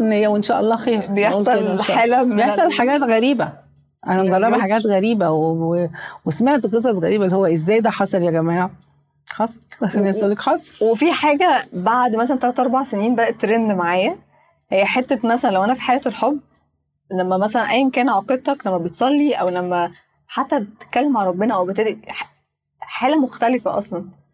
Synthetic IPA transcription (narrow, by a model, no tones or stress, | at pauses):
nejːæwenʃæːʔɑlˤːɑːxeːɾbejeoˤɑħæːlæjeħsˤɑlħaɡæːt̪ɣæɾiːbæ | ʔænænɣɑrˤːɑbbiħaɡæːt̪ɣæɾiːbæweewesmeʕt̪ɡes̬ˤɑsˤɣæɾiːbælːihowːæʔezːæːjd̪æːħɑsˤɑljæɡæmæːʕ | ħɑsˤnæsælːekħɑːsˤwefiħaːɡæbaʕd̪mæs̬ælænt̪ɑːæt̪ʔɑɾˤbɑʕseniːnbæd̪æʔt̪ːɾenmaʕaːjæ | hejːæħet̪ːæmæsælænlæwʔænæfi̥ħajæːt̪elħobː | læmːæmæsælænʔæjːænkæːnʕɑqed̪̚t̪ːˤɑklæmːæbet̪sˤɑlːiʔæwlæmːæ | ħat̪ːæbet̪ːe̥t̪̚kːælːemʕalɾˤɑbːenæʔæwebet̪æːd̪iħ | ħaːlæmoxt̪ælefæʔɑ̰sˤlɑn